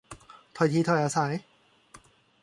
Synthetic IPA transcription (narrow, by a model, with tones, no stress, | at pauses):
t̪ʰɔ˧˩jt̪ʰiː˧t̪ʰɔ˧˩jʔaː˧sa˨˦j